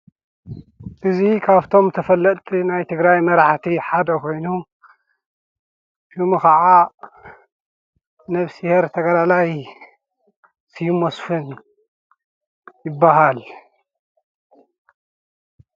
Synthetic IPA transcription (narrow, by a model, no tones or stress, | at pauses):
ʔɨzikʰaβt̪ʰo̞mt̪ʰɐfɐlːɐt̪ʼnajt̪ʰɨɡɾajmɐɾaħt̪ʰiħad̪ɐkʰo̞jnu | ʃumɨxɐʕa | nɐβsiheɾt̪ʰɐɡɐlalaj | sɨjumosfɨn | jɪbːaɦal